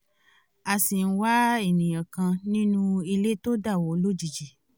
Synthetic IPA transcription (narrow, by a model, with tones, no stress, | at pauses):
a˨si˨n̩˦wa˦e˦˨nĩ˨j̃ã˨kã˧nĩ˦nũ˦i˧le˦to˦da˦˨wɔ˨˦lo˦d͡ʒi˨d͡ʒi˨